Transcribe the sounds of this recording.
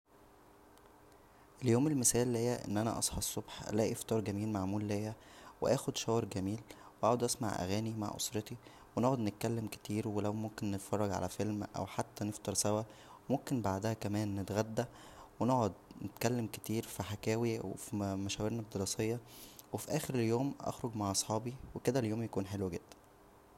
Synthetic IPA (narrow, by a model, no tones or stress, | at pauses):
ʔeljoːmelmesæːlːhejːæʔḛnːʔænæ̰ʔɑ̰sˤħɑsˤːobħlæʔeft̪ˤɑːɾˤɡæmiːlmaʕmuːlːejːæ | weʔæːxod̪ʃæwɑɾɡæmiːl | weʔaʕod̪ʔæsma̰ʕʔæ̰ɣæːnima̰ʕʔo̰sˤɾet̪i | wenoʕod̪net̪̚kælːemke̥t̪iːɾwelæwmomkenːet̪fɑrˤːɑɡʕa̰læfelmʔæ̰wħat̪ːæneft̪ɑɾˤsæwæwmomkenbaʕd̪æhækæmæːnːet̪ɣæd̪ːæ | wenoʕod̪net̪̚kælːemke̥t̪iːɾfiħakæːwiwefimæʃæweɾnɑd̪ːeɾɑːsˤejːɑwefiʔæːxeɾeljoːmʔɑ̰xɾoɡmaʕʔɑsˤħɑːbiweked̪æljoːmjækuːnħelwæɡed̪̥ːæ̥n